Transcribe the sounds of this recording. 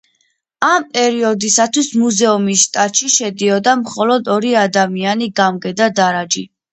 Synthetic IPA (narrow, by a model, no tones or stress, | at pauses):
ampʼɛɾiɔd̪isat̪ʰwismuzɛumisʃt̪ʼat̪ʼʃiʃɛd̪iɔd̪amχɔlɔd̪ɔɾiad̪amianiɡamɡɛd̪ad̪aɾad͡ʒi